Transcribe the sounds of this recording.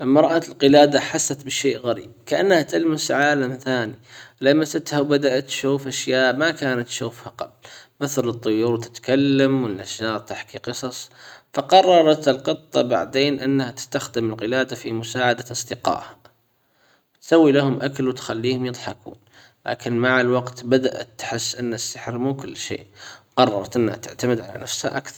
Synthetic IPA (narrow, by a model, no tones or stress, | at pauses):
mɑɾˤʔalqɨlaːd̪aħasːat̪bɪʃeːʔɣaɾḭːb̚kaʔanːhat̪almasʕaːlamθaːnilamːasat̪hawbad̪aʔat̪ʃuːfʔaʃjaːʔmakaːnat̪ʃuːfhaqa̰blmɪθlɨt̪ˤːʊjuːɾwt̪ɪ̥t̪kalːamwɪnːaʃɑːɾˤt̪aħkiqɨsˤɑsˤfɑqɑrˤːɑɾˤɑt̪ɪlqɨt̪ˤːɑ̰ba̰ʕd̪eːnʔɪnːhat̪ɪ̥st̪axd̪ɪmɪlqɪlaːd̪afimʊsaːʕad̪aʔɑsˤd̪ɪqɑ̰ːʔha | wt̪sawːilahʊmʔakalwt̪xalːiːhʊmjɨðˤħɑkṵːn | la̰ːkɪnmaʕalwɑɡt̪bad̪aʔa̰t̪ːħɪsːʔɪnːasːaħɾmuːkʊlːʃḛːʔwqɑrˤːɑɾˤɑt̪ʔɪnːha̰t̪ɪ̰ʕt̪amɪd̪ʕala̰nafsha̰ʔa̰kθɑˤ